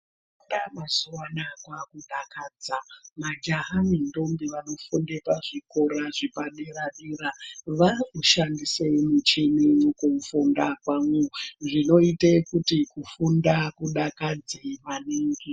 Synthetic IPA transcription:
ndamazuwanakwakuɗakaːd͡zamad͡ʒaɦanindo̞mbeʋano̞fundepaʐiko̞ɾaʐipaɗeraɗiːɾaʋauʃandiseimut͡ʃemijokufundakwaŋuʐino̞itekutikufundakuɗakad͡zeʋaneːŋɡe

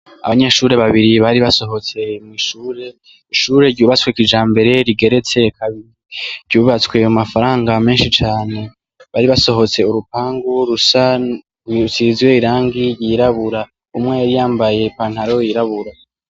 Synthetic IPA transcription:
a̰βaɲe̞ːʃuɾe̞βaβiɾiβaɾiβaso̞ɦo̞t͡se̞mŋiːʃuːɾe̞ | iʃuːɾe̞ɾɟuːβat͡skwekid͡ʒaːmbe̞ɾe̞ɾiɡe̞ɾe̞t͡se̞kʰaβiɾiɾɟuːβat͡swe̞umafaɾaːŋɡame̞ːnʃit͡ʃaːne̞ | βaɾiβaso̞ɦo̞t͡se̞uɾupaːŋɡoɾusa | wisizwe̞iɾaːŋɡijiːɾaβuɾa | umŋejaɾijaːmbaje̞paːn̥haɾojiɾaβuɾa

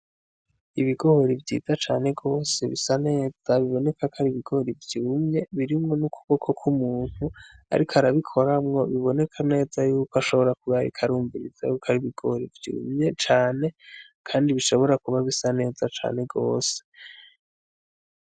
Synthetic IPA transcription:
iβiɡo̞hoɾivɟḭːzat͡ʃaːne̞ɡo̞ːse̞βisane̞ːz̥aβiβo̞ne̞kʰakaɾiβiɡ̥o̞ɾivjuːmɲe̞βiɾimŋo̞nukuβokʰo̞kʰumuːn̥hua̰ɾikoaɾaβikʰo̞ɾamŋo̞βiβo̞ne̞kʰane̞ːzajuːkoaʃo̞βo̞ɾakuβaɾḭkʰaɾuːɱviɾḭz̥a̰jukʰaɾiβiɡ̥ooɾivjṵːmɲe̞t͡ʃaːne̞ | kʰaːndiβiʃo̞βo̞ɾakuβaβisane̞ːzat͡ʃa̰ːne̞ɡo̞̰ːse̥

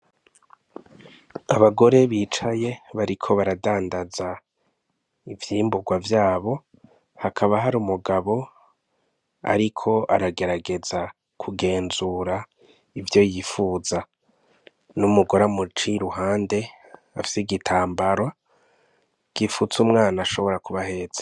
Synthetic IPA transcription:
aβaɡo̞ɾe̞βiːt͡ʃaje̞βaɾikʰo̞βaɾadaːndaza | ivjiːmbuɡwavjaːβo̞ | hakʰaβaɦaɾumuɡaβo̞ | a̰ɾikʰo̞ʔaɾaɡe̞ɾaɡe̞za | kʰuɡe̞ːnzuɾa | ivjo̞jiːfuːza | numuɡoɾamut͡ʃiɾuhaːnde̞ | afi̥siɡitʰaːmbaɾwa | ɡ̥iːfut͡sumŋaːnaʃo̞βo̞ɾakuβahe̞ːz̥e̥

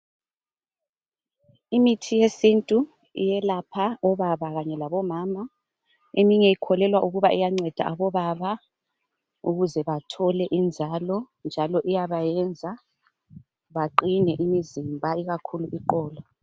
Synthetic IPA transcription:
imitʰijesintʼu | ḭjɛlapʰaɔβaβaɣaɲɛlaβɔmaːma | emiɲɛikʰɔlɛlwaʔuɣuβaʔɛjaŋ͡ǀɛd̥ʱa̰ʔaβɔβaβa | uɣuzɛβatʰɔlɛʔind͡zʱalɔ | nd͡ʒʱalɔʔijaβajɛnd͡zʱa | βaǃinɛʔimizimbʱaiɣakʰuluʔiǃɔːla

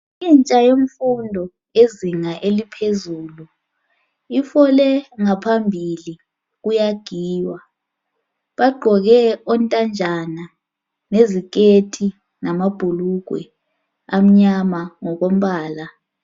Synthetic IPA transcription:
int͡ʃʼajom̩fundʱɔ | eziŋaʔelipʰezuːlu | ifɔlɛŋapʰambʱili | ɣujaɡ̥ʱiːwa | ɓaɡ͡ǃʱɔɣɛɔntʼand͡ʒʱana | nezik̬etʰi | namab̥ʱuluɡ̥ʱwɛ̰ | am̩ɲamaŋɔɣom̩ɓaːla

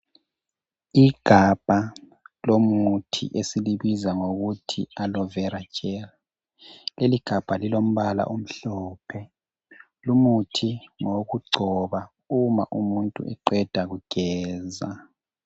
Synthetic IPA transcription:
iɡ̥ʱab̥ʱa | lomutʰḭʔesiliβizaŋoɣutʰialɔvɛɾḁt͡ʃʼɛla | leliɡ̥ʱab̥ʱalilom̩βala̰ʔom̩ɬɔːpʰɛ | lumutʰiŋoɣuɡ͡ǀʱɔβa | uma̰ʔumuntʼṵʔɛ̰ǃɛd̥ʱaɣuɡ̥ʱɛːza

